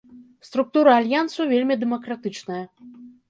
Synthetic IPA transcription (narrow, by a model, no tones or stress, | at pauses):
st̪ɾuk̚t̪uɾɐːlʲjant̪sɐvʲelʲmʲid̪ɛmɐkɾat̪ɨt͡ʂnɐjɐ